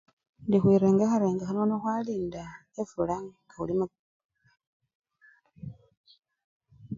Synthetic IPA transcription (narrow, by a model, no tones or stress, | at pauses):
ndixwiːɾeːŋɡaxaɾeːŋɡaxanonoxwaːliːnda | efulaŋɡaulima